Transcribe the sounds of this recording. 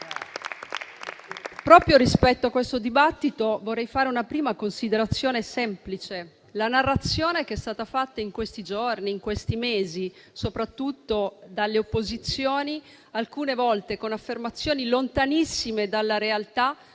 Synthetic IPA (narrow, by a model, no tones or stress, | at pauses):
pɾɔːpɾjoɾispɛt̪ːoakːwest̪od̪ibat̪ːit̪ovorːɛjfaːɾeunapɾiːmakonsid̪eɾat̪sːjoːnesɛmplit͡ʃe | lanarːat̪sjoːnekɛst̪aːt̪afat̪ːaiŋkwest̪id͡ʒorniːŋkwest̪imeːzi | sopɾat̪ːut̪ːod̪alːeopːozit̪sːjoːni | alkuːnevɔlt̪ekonafːermat̪sːjoːnilont̪anisːimed̪alːaɾealt̪a